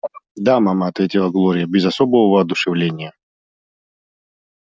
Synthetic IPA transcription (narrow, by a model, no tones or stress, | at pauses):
d̪amamaɐt̪vʲetʲɪlˠəɡlˠoɾʲɪjəbʲɪzɐsobəvəvəːd̪ʊʂɨvlʲenʲɪjə